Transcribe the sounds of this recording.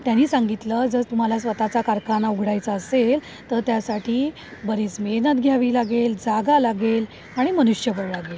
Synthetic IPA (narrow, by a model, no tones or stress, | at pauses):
t̪janiːsãŋɡit̪ləd͡zəɾt̪um̤alasʋət̪at͡sakaɾkanauɡʱɽajt͡səːsel | t̪əɾt̪jasaʈiː | bəɾiːt͡smenət̪̚ɡʱjaʋiːlaɡeld͡zaɡalaɡel | aɽ̃imənuɕjəpəɾlaɡel